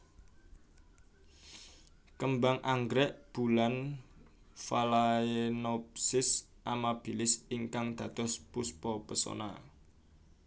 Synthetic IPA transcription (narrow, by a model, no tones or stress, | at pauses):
kəmbaŋʔaŋɡɾɛʔb̥ulan | falaenɔp̚sɪs | ʔamab̥ilɪsiŋkaŋd̪̥ä̤d̪̥ɔ̤spuspɔpəso̰na̰